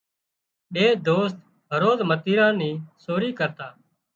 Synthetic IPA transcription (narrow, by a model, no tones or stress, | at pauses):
ɓeːd̪oːst̪ | ɦəɾoːzmət̪iːɾãːnĩːsoːɾiːkəɾt̪aː